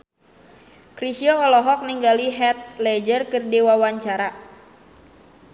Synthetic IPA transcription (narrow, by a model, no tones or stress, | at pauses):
kɾisiɔːlɔɦɔk̚niŋɡaliɦɛt̪̚lɛd͡ʒərkərdiwawaɲt͡ʃaɾa